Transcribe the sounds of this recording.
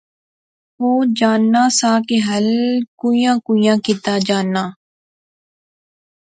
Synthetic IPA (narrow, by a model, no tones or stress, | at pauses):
oːd͡ʒaːnːaːsaːkeɦəlkuːijãːkuːijãːkɪt̪aːd͡ʒaːnːaː